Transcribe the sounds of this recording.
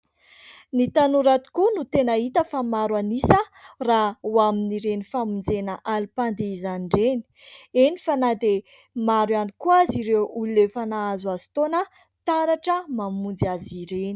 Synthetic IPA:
nit̪anuɾat̪i̥kunut̪enəit̪əfamaɾanisərawaminiɾenifamind͡zenəʔalipand̪eizaniɳɖ͡ʐeni̥enifanad̪e | maɾwanikuaziɾewʔululefanaazuazi̥t̪onə | t̪aɾaʈ͡ʂəmamund͡ziaziɾeni̥

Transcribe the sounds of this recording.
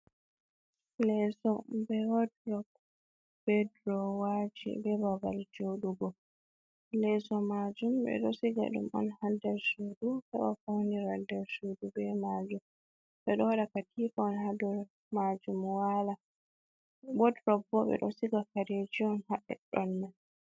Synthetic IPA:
lɛsɔbɛwɔdɾɔk̚ | b̥ɛdɾɔwad͡ʒḭbɛbabald͡ʒowɗuɡɔ | lɛsɔmad͡ʒumɓɛ̰ɗɔsiɡa̰ɗṵmɔ̰nhadaɾsudukaɓa̰fawniɾadaɾsudubɛmad͡ʒum | ɓɛɗɔwaɗakatʰifaɔnhadaɾ | mad͡ʒumwala | bɔdɾɔk̚bɔɓɛ̰ɗɔsiɡakaɾed͡ʒiɔnhaɗɛ̰ɗɔnːa

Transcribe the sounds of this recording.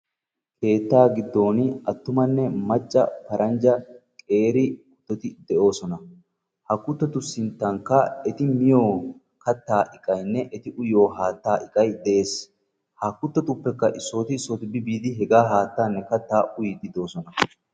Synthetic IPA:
kʰe̞ːt̪ːaːɡɪd̪ːo̞ːnɪɐt̪ːʊmɐnːɛmɐt͡ʃʼːɐ̰pɐɾʔɐnd͡ʒɐkʼe̞ːɾɪkʊ̥t̪ːɔt̪ɪd̪ɛʔo̞ːsɔnɐ | hɐkːʊt̪ːɔt̪ʊsɪnt̪ːɐŋkːɐɛt̪ɪmɪjo̞ː | kɐt̪ːaːʔɪkʼːɐjnːɛʔɛt̪ɪʔʊjo̞ːɦaːt̪ːaːʔɪkʼːɐjd̪ɛʔeːs | hɐkːʊt̪ːɔt̪ʊpːɛkːɐʔɪsːo̞ːt̪ɪsoːt̪ɪbɪbiːd̪ɪɦɛɡaːɦaːt̪ːaːnːɛkɐt̪ːaːʔʊjɪd̪ɪd̪o̞ːsɔnɐ

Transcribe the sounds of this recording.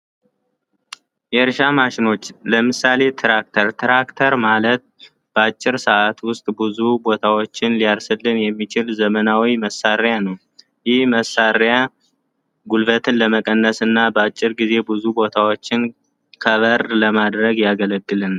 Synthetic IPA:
jɛɾʃamaʃɪno̞t͡ʃːləmɨsale̞t̪ʰɾak̚t̪ʰəɾt̪ʰɾakt̪ʰəɾmalət̪̚ | b̥əat͡ʃʼːɪɾsəʔat̪wʊst̪ʼbɨzubo̞t̪ʰawo̞t͡ʃːɪnlijalsɨlːɨnjɛmːit͡ʃɪlzəmənawiməsːaɾjanəw | jɪhməsaɾja | ɡulbət̪ʰɨnləməkʼənːəsɨnːabəat͡ʃʼːɪɾɡize̞bɨzubo̞t̪ʰawo̞t͡ʃːɪn | kʰəβəɾləmad̪ɾəɡjaɡələɡːɨlɨn

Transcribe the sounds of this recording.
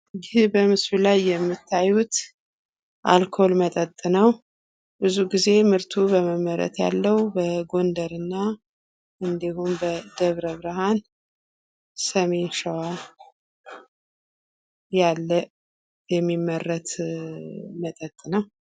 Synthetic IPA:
jɪbəmɨsβulajːɛmːɨt̪ʰːajut̪ | ʔa̰lkʰo̞lmət̪ʼət̪ʼːɨnəw | bɨzuɡize̞mɨɾt̪ʰubəməmːəɾə̰t̪ʰja̰lːəwbəɡo̞nd̪əɾɨnːa | ʔɨnd̪ihumbəd̪̥əβɾəβɾɨɦan | səme̞nʃəwa | jalːə | jɛmːimːəɾːət̪ʰ | mət̪ʼət̪ʼːɨnəw

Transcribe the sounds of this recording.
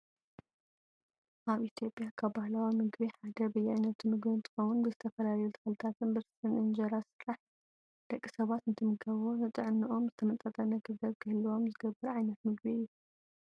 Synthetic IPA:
ʔaβʔit̪ʰijo̞pʼjakʰaβbahlawimɨɡbiħad̪ɐbɨjːaʕajnɐt̪ʰumɨɡbint̪ʰɨ̥xowunbɨzɨt̪ʰɐfɐlajut̪ʰɐ̥xɨlɨt̪ʰat̪ʰɨnbɨɾst̪ʰʼɨnʔɨnd͡ʒɐɾasɨɾaħ | d̪̥ɐkʼːisɐβat̪ɨnt̪ʰɨmɨkʰɐβonɨt̪ʼɨʕnːɨʔo̞mzɨt̪ʰɐmɐt̪ʼɐt̪ʼɐnɐɡɨzɐβkʰɨhɨlːwo̞mzɨɡɐbːɨɾʕajnɐt̪mɨɡbiɨjːu

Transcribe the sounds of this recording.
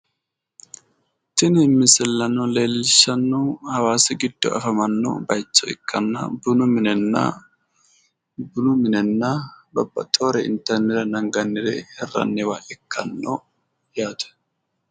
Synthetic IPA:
t̪ɪnɪmːɪsɛlːɐnːɔle̞ːlːɪʃɐnːɔhɐwaːsɪɡɪd̪̥ːɔ̰ʔɐ̰fɐmɐnːɔ̰bɐjt͡ʃːɔɪkʰːɐnːɐ̰bʊnʊmɪnɛnːɐ̰ | bʊnʊmɪnɛnːɐbɐbːɐ̰t̪ʼːoːɾɛɪ̰nt̪ɛɾnɛɾɐnɐŋɡɐnːɪɾɛ̰hɛrːɐ̰nːɛwɐʔɛkʰːɐnːɔ̰ | jaːt̪ɛ̥

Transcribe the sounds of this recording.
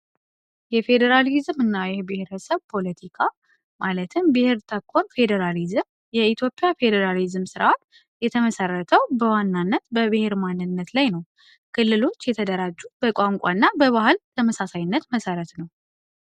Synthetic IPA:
jɛfe̞d̪əɾalizmɨnːajɛbɨheɾəsəβpʰo̞lət̪ʰikʰa | malət̪ʰɨmbɨheɾt̪ʰəkʰːo̞ɾfe̞d̪əɾalizɨm | jɛit̪ʰjo̞pʼːjafe̞d̪əɾalizɨmsɨɾʔat̪ | jɛt̪ʰəməsərːət̪ʰəwbəwanːanːət̪bəβɨheɾmanːɨnːət̪lajnəw | kʰɨlːɨlo̞t͡ʃːjɛt̪ʰəd̪əɾad͡ʒːubəkʷʼaŋkʷʼa̰nːabəβahɨlt̪ʰəməsasajnːət̪məsəɾət̪nəw

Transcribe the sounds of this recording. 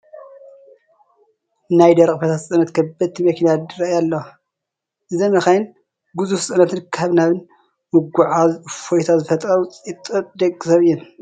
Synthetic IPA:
najd̪ɐɾkʼfɐt̪ʰasʼɐnɐt̪kʰɐbɐt̪ʰːimɐkʰinad̪ɨɾɐjalːo | ʔɨzɐmɐxɐjn | ɡuzussʼɐnat̪ʰɨnkʰaβnaβɨn | mɨɡaʕafojt̪ʰazɨfɐt̪ʼɾɐɾut͡sʼit̪ʼɨd̪ɐɡʼɨsɐβɨjːɨn

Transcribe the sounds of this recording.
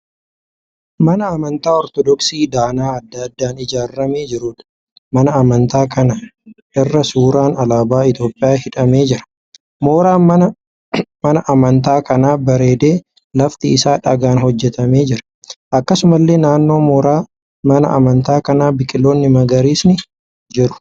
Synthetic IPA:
mɐnɐːmɐnt̪aːɔɾt̪ɔd̪ɔksiːd̪aːnaːɐd̪ːɐd̪ːaːnɪd͡ʒaːrːɐme̞ːd͡ʒɪɾʊᶑ | mɐnɐːmɐnt̪aːkɐnɐʔɪrːɐsuːɾaːnɐlaːbaːɪt̪jo̞ːpʼːɪjaːhɪᶑɐme̞ːd͡ʒɪɾɐ̥ | mo̞ːɾaː | mɐnɐʔɐmɐnt̪̬aːkɐnaːbɐɾe̞ːd̪e̞ː | lɐft̪ɪɪsaːᶑɐɡaːnɦhɔd͡ʒːɛt̪ɐme̞ːd͡ʒɪɾɐ̥ | ʔɐkːɐsʊmɐlːe̞ːnaːnːo̞ːmoːɾaː | mɐnɐ̰ʔɐ̰mɐnt̪aːkɐnaːbɪkʼɪlːoːnːɪmɐɡɐɾiːsnɪ | d͡ʒɪɾʊ̥

